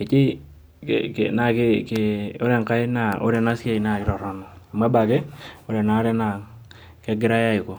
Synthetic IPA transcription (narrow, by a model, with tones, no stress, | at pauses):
ɪ˨t͡ʃɪ˦ | kkna˨kɪ˦kɪo˦ɾɛ˦ŋka˦ɪ˦na˨o̰˦ɾɛ˦na˦se˦i˨na˨kɪ˦ɾɔ˨ɾɔ˦nɔ˨a˨ma˦ba˨ɡɛ˦o˨ɾɛ˨na˨˦ɾɛ˦na˨ | kɛ˦ɡɪ˦ɾa˦ja˦ɪ˨ko˨